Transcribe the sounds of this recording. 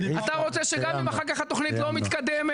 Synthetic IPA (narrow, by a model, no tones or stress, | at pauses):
at̪aʁo̞t͡seʃeɡamimaχaʁkaχhat̪o̞χnit̪lo̞mit̪kad̪eme